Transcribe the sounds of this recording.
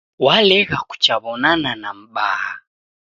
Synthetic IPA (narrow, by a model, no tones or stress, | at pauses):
walɛɣaku̥t͡ʃaβɔnananam̩ɓaha